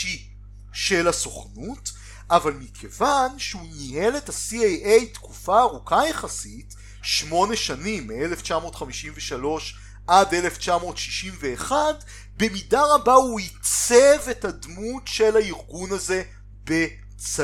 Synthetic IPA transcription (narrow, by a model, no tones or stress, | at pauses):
i | ʃelaso̞χnut | ʔavalmikʰe̞vanʃeunihelethasiejʔejtkufaːʁukajeχasit | ʃmo̞neʃanimːeeleft͡ʃamo̞tχamiʃimveʃalo̞ʃ | ʔade̞le̞ft͡ʃamo̞ːtʃi̥ʃimve̞ːχad | be̞midaʁabauit͡sevethadmutʃe̞laiʁɡunaze̞ | be̞ | t͡s